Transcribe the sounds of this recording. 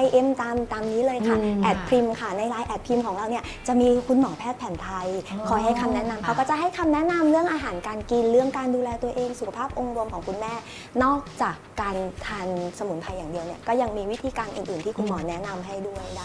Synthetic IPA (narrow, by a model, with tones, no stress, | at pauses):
a˧jʔe˦˥mt̪aː˧mt̪aː˧mniː˦˥lɤː˧jkʰa˥ʔɛː˨˩t̪̚pʰɾi˧mkʰa˥˩na˧jɾaː˧jʔɛː˨˩t̪̚pʰi˧mkʰɔː˩˦ŋɾa˧wni˥ɐt͡ɕa˨˩ʔmiː˧kʰu˧nmɔː˩˦pʰɛː˥˩t̪̚pʰɛː˩˦nt̪ʰa˧jkʰɔː˨˩˦jɦa˥˩jkʰa˧mnɛ˦˥na˧mkʰa˧wkɔː˥˩t͡ɕa˨˩ʔɦa˥˩jkʰa˧mnɛ˦˥na˧mɾɯ˥˩əŋʔaː˧ɦaː˨˩˦nkaː˧nki˧nɾɯ˥˩əŋkaː˧nduː˧lɛː˧t̪u˧ɐʔeː˧ŋsu˨kʰa˧pʰaː˥˩p̚ʔo˧ŋɾo˧mkʰɔː˩˦ŋkʰu˧nmɛː˥˩ | nɔː˥˩k̚t͡ɕaː˨˩kːaː˧nt̪ʰaː˧nsa˧mu˩˦npʰa˧jːaː˨˩ŋdi˧əwni˥˩ɐkɔː˥˩ja˧ŋmiː˧wi˦˥t̪ʰiː˧kaː˧nʔɯː˨˩nʔɯː˨˩nt̪iː˥˩ku˧nmɔː˩˦nɛ˦˥na˧mɦa˥˩jdu˥˩əja˥˩